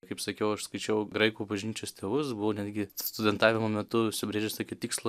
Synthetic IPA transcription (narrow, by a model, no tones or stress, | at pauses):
kɐɪpsɐkʲɛʊɐʃskɐɪt͡ʃʲɛʊɡɾɐɪkuːbɐʒʲnʲiːt͡ʃʲoːst̪ʲeːʋʊsbʊʋoːnʲæd̪ʲɡʲɪst̪ʊd̪ʲɛnt̪ɑːʋʲɪmomʲɛt̪ʊʊʃʲsʲɪbʲɾʲeːʒʲɛst̪oːkʲɪt̪ʲiːkslˠɑ